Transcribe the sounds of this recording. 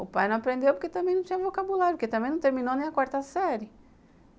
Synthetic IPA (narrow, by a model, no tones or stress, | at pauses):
ʊpajnɐ̃w̃ɐpɾẽnd̪ewpʊɾket̪ɐ̃mẽj̃nɐ̃w̃t͡ʃ̪ĩɲ̃ɐ̃vokabulaɾpɾket̪ɐ̃mbẽnɐ̃w̃t̪eɾmĩnonẽj̃ɐkwaɾt̪ɐsɛɾjɪ